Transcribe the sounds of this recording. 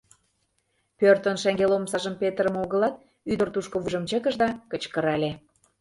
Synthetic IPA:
pørt̪ənʃæŋɡelomsɑʒəmpet̪əɾə̆moɣə̆lɑt̪̚ | yd̪ə̆rt̪uʃkoβuʒə̆mt͡ɕə̆kəʒd̪ɑkət͡ɕkə̆ɾɑlʲe

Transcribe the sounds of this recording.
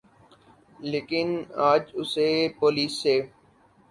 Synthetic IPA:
leːkɪnaːd͡ʒʊsepoːliːsːeː

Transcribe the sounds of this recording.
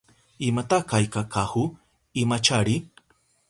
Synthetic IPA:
ɪmat̪akajkakahʊ | imat͡ʃaɾi

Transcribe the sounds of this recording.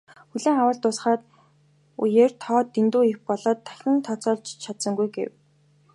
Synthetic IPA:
xuɮeːŋawə̆ɮt̪ʊsχaːt̪ | ṵjeːrt̪ʰɔːt̪ːent̪uːixpɔɮɔːt̪ʰːæ̥xʲɪ̆nt̪ʰɔt͡sɔːɮt͡ɕt͡ɕʰat̪sɞ̆ŋɡujɡḛw

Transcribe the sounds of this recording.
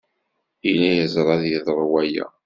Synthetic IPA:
ilæjəzˤɾˤɑðjiðˤɾˤwæjæ̰

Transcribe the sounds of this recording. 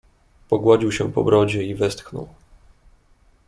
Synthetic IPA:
pɔɡwad͡ʑiwɕɛpɔ̰bɾɔd͡ʑɛivɛst̪xnɔ̰w

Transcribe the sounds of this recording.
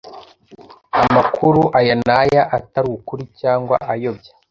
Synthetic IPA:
amakʰuɾuʔajanajaʔataɾukuɾicaːŋɡwa̰ʔajo̞bja

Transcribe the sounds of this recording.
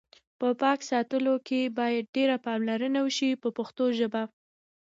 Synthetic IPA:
pəpɑksɑt̪əlokebɑjad̪̚ɖeɾapɑmlaɾənawəʃipəpəxt̪oʒəba

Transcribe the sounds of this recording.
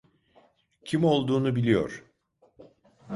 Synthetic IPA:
cʰimo̞lˠd̪uːnubilʲijo̰ɾ̥

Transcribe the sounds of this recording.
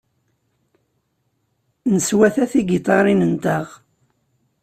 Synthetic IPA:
nəswæθæθiɡit̪ˤɑɾˤinənt̪aʁ

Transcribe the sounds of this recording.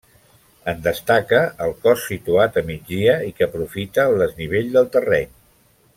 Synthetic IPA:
ənd̪əst̪akəəlˠkɔsːit̪uat̪əmid͡zd̪iəikəpɾufit̪əːlˠd̪əzniβ̞eʎd̪əlˠt̪ərɛɲ

